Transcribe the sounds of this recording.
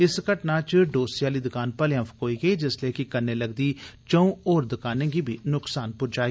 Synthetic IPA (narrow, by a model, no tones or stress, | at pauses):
ɪskəʈnaːt͡ʃɖoːsijaːliːd̪ʊkaːnpəleə̃pʰkoːiːɡəiːd͡ʒɪsleːkɪkənːeːləɡd̪iːt͡ʃəũːoːɾd̪ʊkaːnẽːɡiːbʱiːnʊksaːnpʊɾd͡ʒaːe